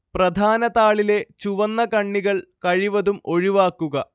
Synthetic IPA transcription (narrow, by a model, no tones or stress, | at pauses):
prɐd̪ʱaːnɐðaːɭile̞t͡ɕuʋɐnːɐkɐɳːiɣɐɭkɐɻiʋɐðumo̞ɻiʋaːkːuɣɐ